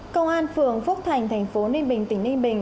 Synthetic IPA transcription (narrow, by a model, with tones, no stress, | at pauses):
kə˧wŋ͡mʔaː˧nfɨ˨˩əŋfu˦˥k͡p̚t̪ʰa˨˩jŋ̟t̪ʰɛ˨˩jŋ̟fo˨˦ni˧ŋɓï˨˩ŋ̟t̪ï˧˩ŋ̟ni˧ŋɓï˨˩ŋ̟